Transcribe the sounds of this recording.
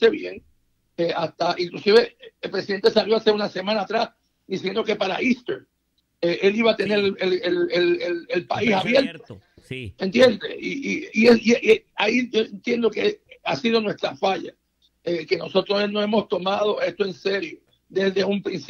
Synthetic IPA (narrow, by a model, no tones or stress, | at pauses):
eβjeŋ | eʔast̪aʔiŋklusiβe̞elpɾesiðe̞nt̪e̞saljo̞aseunase̞mãnaːt̪ɾas | d̪isjend̪o̞ke̞paɾa̰ist̪eɾ | eʔe̞liβaːt̪e̞neɾelelelelelpa̰isaβjeɾt̪o | ent̪jend̪ḛiiiesiʔiaiʝoent̪je̞nd̪okea̰siðo̞nwe̞st̪ɾafaʎa̰ | eke̞no̞so̞t̪ɾosnoemo̞st̪o̞mað̞o̞e̞st̪oe̞nse̞ɾjo̞ | d̪ezðe̞umpɾins